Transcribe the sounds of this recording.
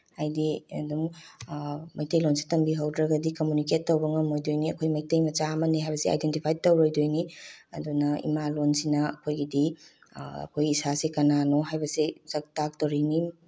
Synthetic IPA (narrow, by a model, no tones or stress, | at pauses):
hajdiɐ̰duŋ | mɐjtejlonsi̥tɐmbiɦawdɾɐɡɐdikomuniket̚ːowbɐŋɐmojdojniɐkʰojmɐjtejmɐt͡ʃamɐniɦajbɐsia̰jdentipʰajtowɾojdojniɐ̰dunɐḭmalonsinɐɐ̰kʰojɡidi | ɐ̰kʰojisasikɐnanoɦajbɐsizɐk̚tak̚towɾini